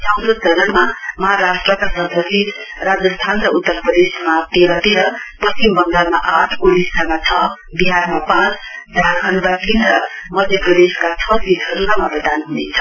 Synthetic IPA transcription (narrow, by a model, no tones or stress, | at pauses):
t͡saw̃d̪ot͡sʌɾʌɽmamʌɦaɾasʈrʌkasʌd̪ʱʌsi | rad͡zʌst̪ʰanɾʌut̪ːʌrprʌd̪esmat̪eɾʌt̪eɾʌpʌst͡simbʌnd̪amaʔaʈʰkoɽisanat͡sʰʌ | biɦarmapãt͡sd͡zaʌnbakinʌmʌd̪ʱjeprʌd̪eskat͡sʰʌikʰʌɾunamaprʌd̪anɦunet͡sʰʌ̥